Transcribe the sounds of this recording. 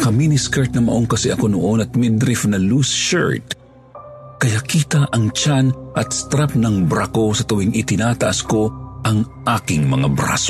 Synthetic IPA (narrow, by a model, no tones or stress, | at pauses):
kɐminiskaɹt̪̚nɐmɐ̰ʔoŋkɐsɛʔɐko̞noʔonɐt̪̚mɛd̪ɾɪfnɐluːsʃa̰ɹt̪ | kɐjakiːt̪ɐʔɐŋt͡ʃanʔɐt̪st̪ɾap̚nɐŋbɾakosɐt̪ʊwɪŋʔɪt̪ɪnaːt̪ɐʔɐsko̞ʔɐŋʔaːkɪŋmɐŋabɾa̰so